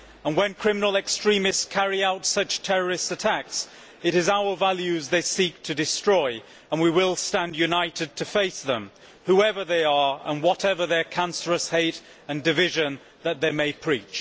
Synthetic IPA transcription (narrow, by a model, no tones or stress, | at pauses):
ə̃nwɨ̃nkʰɹ̥ɪ̃mənl̩ˠɨkstɹ̥ĩmɨstskʰæɹiaʊtsʌt͡ʃtʰɛɹə˞ɨstsɨtʰæks | ɨɾɨzaʊə˞vælˠjʉzðeɪsik̚tʰɨdɨstɹ̥ɔɪ | ə̃nwiwɪlˠstæ̃ndjʉnaɪɾɨd̚tʰɨfeɪsðə̃m | huɛvə˞ðeɪə˞ə̰̃nwʌɾɛvə˞ðə˞kʰæ̃nsə˞əsheɪɾ | ɨ̃ndɨvɪʒɨ̃n | ðɨt̪̚ðeɪmeɪpʰɹ̥it͡ʃ